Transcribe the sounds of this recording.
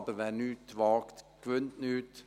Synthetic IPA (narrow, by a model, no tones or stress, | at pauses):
bəɾʋæːɾnyːt̪ʋɑːkt̪ɡ̥ʋʉnt̪nʉːt̪